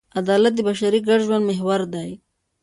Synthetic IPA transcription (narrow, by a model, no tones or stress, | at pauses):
ad̪ɑlat̪̚d̪əbaʃaɾiɡaɽʒwand̪meɦwaɾd̪aj